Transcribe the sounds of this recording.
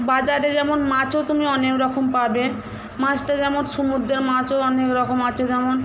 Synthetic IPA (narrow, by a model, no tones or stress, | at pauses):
bad͡ʑaɾed͡ʑɛmonmat͡ɕot̪umiɔnekɾɔkompaɾbe | mat͡ɕʈad͡ʑɛmonʃumud̪ʱːeɾmãt͡ɕoɔnekɾɔkomat͡ɕʰed͡ʑɛmon